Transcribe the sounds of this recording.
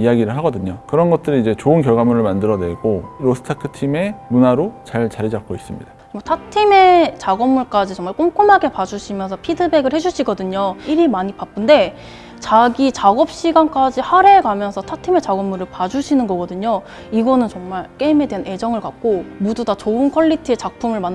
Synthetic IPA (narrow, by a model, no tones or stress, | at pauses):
ijaɡiɾɯɭɦaɡʌdɯɲokɯɾʌnɡʌt̚t͈ɯɾiid͡ʑe̞t͡ɕoɯnkjʌɭɡamuɾɯɭmandɯɾʌnwe̞ɡoɾosʰɯ̥tʰakʰɯ̥tʰime̞munaɾot͡ɕaɭt͡ɕaɾid͡ʑap̚k͈ois͈ɯmɲḭd̥a | motʰatʰime̞t͡ɕaɡʌmːuɭk͈ad͡ʑit͡ɕʌŋmaɭk͈omk͈umɦaɡe̞pad͡ʑuɕʰimjʌnsʰʌpʰidɯbe̞ɡɯɭhe̞d͡ʑuɕʰiɡʌdɯɲoiɾimaɲipap͈ɯnde̞ | t͡ɕaɡit͡ɕaɡʌp̚ɕ͈iɡank͈ad͡ʑihaɾe̞kamjʌnsʰʌtʰatʰime̞t͡ɕaɡʌmːuɾɯɭpad͡ʑuɕʰinɯnɡʌɡʌdɯɲo | iɡʌnɯnt͡ɕʌŋmaɭk͈e̞ime̞deane̞d͡ʑʌŋɯɭkak̚k͈omodudat͡ɕoɯnkʰʌɭːitʰɯe̞t͡ɕak̚pʰumɯɭman